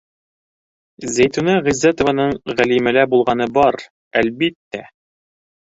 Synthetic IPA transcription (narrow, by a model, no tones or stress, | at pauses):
zæjt̪unɑʁizːæt̪ŏvɑnɤɴʁælimælæbulˠʁɑnɤbɑɾ | ælbit̪ːæ